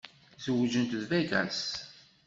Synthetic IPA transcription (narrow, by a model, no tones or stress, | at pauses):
zəwəd͡ʒənt̪əðvæɡæ̰s